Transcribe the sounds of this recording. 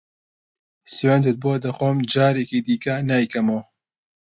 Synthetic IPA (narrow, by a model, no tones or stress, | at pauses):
swɛnd̪ɨt̪̚buod̪ɐxoːmd͡ʒaːɾeːkid̪iːkɐnaːjkɐmow